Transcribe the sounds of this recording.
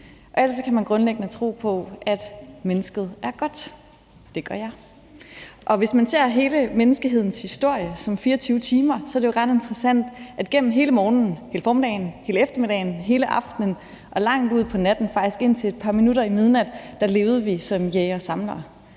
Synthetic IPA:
ʔɒ̽æl̰d̥sɒ̽kʰæmænɡ̥ʁɔ̽nleɡ̥ənət͡sʰʁo̝̰ːpʰɒ̽ʔæd̥menəsɡ̥ð̞̩ˠæɐɡ̥ɒ̽d̥ | d̥e̝ɡ̥ɶɐjɑ̈ɪ | ʔɒ̽ʋe̝smænse̝ɐ̰ɦe̝ːləmenəsɡ̥əɦe̝ð̞̰ˠn̩shisd̥o̝ɐ̰jəsɒ̽mfiːɐɒt͡sʰyːʊət͡sʰiːmɐsɒ̽ɐd̥ejoʁɑ̈d̥e̝nd̥ʁɐsæn̰d̥ʔæd̥ɡ̥en̰m̩ɦe̝ːləmɒːnn̩he̝ːləfɒːme̝d̥ɛ̰ɪnhe̝ːləefd̥ɐmed̥ɛɪn̩ɦe̝ːləʔɑ̈fd̥nən | ʔɒ̽lɑ̈ŋ̰d̥uð̞̰ˠpʰɒ̽næd̥n̩fɑ̈ɡ̥d̥isɡ̥e̝n̰t͡sʰe̝le̝d̥̚pʰɑ̈minuɾɐimið̞ˠnæd̥d̥æ̈le̝ːʊð̞̩ˠəʋisɒ̽mjeɪɒsɑ̈mlɐ

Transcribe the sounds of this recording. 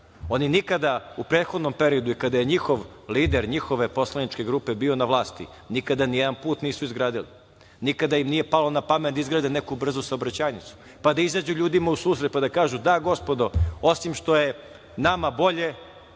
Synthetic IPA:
o̞ninikad̪aupɾeːt̪xo̞d̪no̞mpe̞ɾio̞d̪uikad̪ajeɲixo̞ʋliːd̪eɾɲixo̞ʋe̞po̞slanit͡ʃke̞ɡɾuːpe̞biːo̞naʋlˠaːst̪ḭ | nikad̪anijɛd̪anpuːt̪niːsuizɡɾaːd̪ili | nikad̪ajimnije̞palo̞napamet̪izɡɾaːd̪enekubr̩zusaobɾat͡ɕaːjnit̪su̥ | pad̪aizaːd͡ʑuʎuːd̪imausuːsɾe̞t̪̚pad̪akaːʒud̪aɡo̞spo̞d̪o̞o̞simʃt̪o̞je̞ | namabo̞ʎe̞

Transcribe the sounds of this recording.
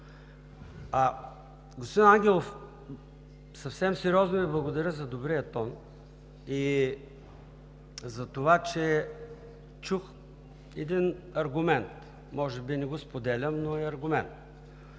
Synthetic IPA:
ɐ | ɡospod̪inaŋɡʲɛlˠof | sɐfsɛmsɛɾiɔznoviblˠɐɡod̪ɐɾʲəzɐd̪obɾiɐt̪ɔn | i | zɐt̪ovat͡ʃɛ | t͡ʃux | ɛd̪inɐɾɡʊmɛnt̪ | mɔʒɛbinɛɡospod̪ɛlʲəmnoɛɐɾɡʊmɛnt̪

